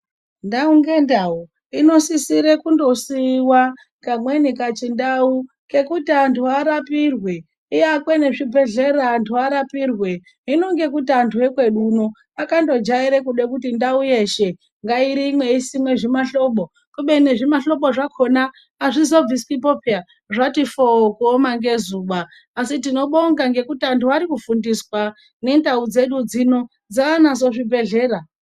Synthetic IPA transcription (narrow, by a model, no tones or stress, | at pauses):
ndauŋɡe̞ndau | ino̞sisiɾekundo̞siwa | kamwenikat͡ʃindau | ke̞kutiantʰuaɾapirwe | iakweneʐibʱe̞ɮeɾaːntʰuaɾapirwe̞ | ino̞ŋɡe̞kutantʰue̞kwe̞ɗuno | akando̞d͡ʒaiɾekuɗe̞kutindauje̞ʃe | ŋɡaiɾiːmwe̞isimwe̞ʐimaɬo̞ɓo̞ | kuɓe̞ne̞ʐimaɬo̞ɓo̞ʐakʰo̞naː | ʐizo̞b͡viskip̬opʰia | ʐatifokuomaŋɡe̞zuːɓaː | sitino̞ɓo̞ŋɡaŋɡe̞kutiantʰuaɾikufundiswa | ne̞ndaud͡ze̞ɗud͡zino | d͡zaːnazo̞ʐibʱe̞ɮe̞ːra